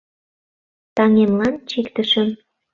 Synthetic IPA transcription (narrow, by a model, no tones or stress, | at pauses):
t̪ɑŋemlɑnt͡ɕikt̪ə̆ʃə̆m